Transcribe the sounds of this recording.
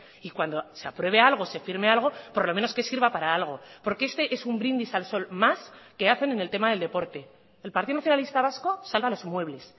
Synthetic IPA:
ikwand̪o̞se̞apɾwe̞β̞e̞alɣ̞o̞sefiɾme̞alɣ̞o̞poɾlo̞mẽ̞no̞skesiɾβapaɾaalɣ̞o̞po̞ɾkeest̪e̞ʔe̞sumbɾind̪isalso̞lmaske̞aθe̞nene̞lt̪e̞maðe̞ld̪epo̞ɾt̪e̞ː | lpaɾt̪iðonaθjonalist̪aβ̞asko̞salβalo̞zmwe̞βle̞s

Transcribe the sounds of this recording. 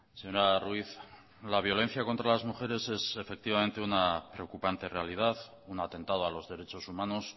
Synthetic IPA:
seɲoɾarwiθ | laβ̞jo̞le̞n̟θjako̞nt̪ɾalazmuxe̞ɾe̞se̞se̞fe̞k̚t̪iβamẽnt̪e̞unapɾe̞o̞kupant̪e̞re̞alið̞aθ | unat̪e̞nt̪að̞o̞alo̞zðe̞ɾe̞t͡ʃo̞sumãno̞s

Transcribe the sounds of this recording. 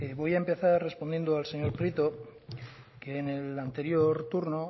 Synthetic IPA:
eβo̞jaempe̞θarre̞spo̞nd̪jend̪oalse̞ɲo̞ɾpɾit̪o̞ | keːne̞lant̪e̞ɾjo̞ɾt̪uɾno

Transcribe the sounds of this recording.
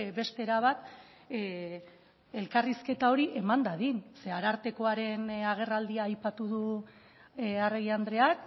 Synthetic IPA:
be̞st̪e̞ɾaβ̞at̪ | e̞lkariske̞t̪ao̞ɾiʔe̞mand̪aðinse̞aɾaɾt̪e̞ko̞aɾe̞naɣ̞e̞rald̪iaːjpat̪uðu | areɣiand̪ɾe̞ak

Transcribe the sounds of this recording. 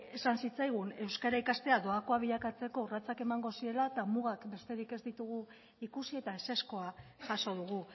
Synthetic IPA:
e̞sansit͡sajɣ̞une̞wskaɾaikast̪e̞aðo̞ako̞aβiʎakat͡se̞ko̞rat͡sake̞maŋɡo̞sie̞lat̪amuɣakbe̞st̪e̞ɾike̞zd̪it̪uɣu | ikusie̞t̪ae̞se̞sko̞aʝaso̞ðuɣu

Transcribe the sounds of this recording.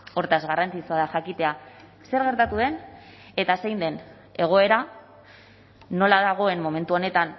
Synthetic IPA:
o̞ɾt̪azɣarant͡sit͡suaðaxakit̪e̞a | se̞ɾɣe̞ɾt̪at̪uð̞e̞n | e̞t̪asejnd̪e̞n | e̞ɣ̞o̞e̞ɾa | o̞laðaɣ̞o̞e̞mːo̞me̞nt̪uo̞ne̞t̪an

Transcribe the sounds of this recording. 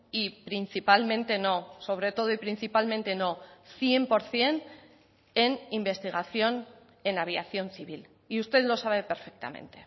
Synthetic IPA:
ipɾinθipalmẽ̞nt̪e̞no̞so̞β̞ɾe̞t̪o̞ð̞oipɾin̟θipalmẽ̞nt̪e̞no̞θje̞mpo̞ɾθje̞n | enimbe̞st̪iɣ̞aθjo̞n | e̞naβ̞jaθjo̞nθiβil | iust̪e̞ðlo̞saβe̞pe̞ɾfek̚t̪a̰mḛ̃nt̪e̞̥

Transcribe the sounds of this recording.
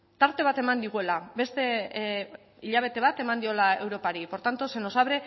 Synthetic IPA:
t̪aɾt̪e̞β̞at̪e̞mand̪iɣ̞ue̞labe̞st̪e̞ | iʎaβ̞e̞t̪e̞βat̪e̞mand̪io̞lae̞wɾo̞paɾipo̞ɾt̪ant̪ose̞no̞saβɾe̞

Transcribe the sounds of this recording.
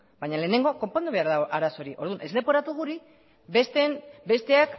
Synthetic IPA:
bajɲale̞ːne̞ŋɡo̞ko̞mpo̞nd̪uβe̞aɾðaoʔaɾaso̞ɾiʔo̞ɾðunʔe̞zle̞po̞ɾat̪uɣ̞uɾi | est̪enbe̞st̪e̞ak

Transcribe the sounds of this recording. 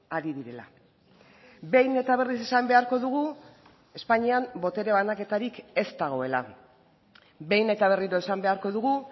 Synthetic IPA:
aɾiðiɾe̞la̰ | be̞jne̞t̪aβ̞e̞rise̞sambe̞aɾko̞ðuɣu | e̞spaɲiambo̞t̪e̞ɾe̞βanake̞t̪aɾike̞st̪aɣ̞o̞e̞la̰ | be̞jne̞t̪aβ̞e̞riɾo̞e̞sambe̞aɾko̞ðuɣu

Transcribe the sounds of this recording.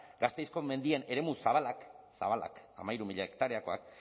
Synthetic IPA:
ɡast̪e̞jsko̞me̞nd̪ie̞ne̞ɾe̞musaβ̞alaksa̰βala̰kamajɾumiʎaekt̪aɾeako̞a̰k̚

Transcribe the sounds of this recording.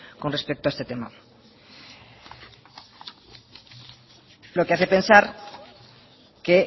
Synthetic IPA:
konre̞spek̚t̪oaest̪et̪e̞ma̰ | lo̞keaθepe̞nsaɾ | ke

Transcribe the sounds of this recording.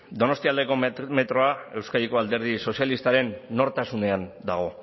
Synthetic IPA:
d̪o̞no̞st̪iald̪e̞ko̞me̞t̪ɾo̞ae̞wskaɾiko̞ald̪e̞ɾð̞iso̞sjalist̪aɾe̞nːo̞ɾt̪asune̞and̪aɣ̞o̞

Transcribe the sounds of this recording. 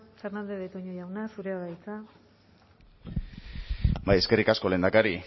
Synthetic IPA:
fe̞ɾnand̪eðet̪oɲojawnasuɾeaðajt͡sa | baje̞ske̞rikasko̞le̞ːnd̪akaɾi

